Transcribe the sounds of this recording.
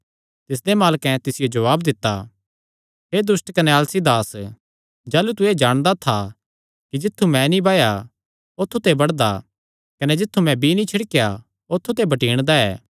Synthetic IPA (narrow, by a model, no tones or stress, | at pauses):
t̪ɪs̬d̪emaːlkɛ̃t̪ɪsɪjod͡ʒɐʋaːbd̪ɪt̪ːa̰ | ɦed̪ʊsʈkɐnɛaːlsid̪aːs | d͡ʒaːlut̪̬ued͡ʒaːɽ̃d̪at̪ʰa | kid͡ʒɪt̪ʰːumɛ̃nĩbaːja | ot̪ʰːut̪ebɐɽd̪a | kɐned͡ʒɪt̪ʰːumɛ̃bʱinĩt͡ʃʰɪɽkeja | ot̪ʰːut̪ebɐʈiːɽ̃d̪aɛː